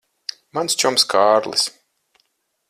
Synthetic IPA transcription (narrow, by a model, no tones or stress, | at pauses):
manst͡ʃɔmskaːɾlˠḭs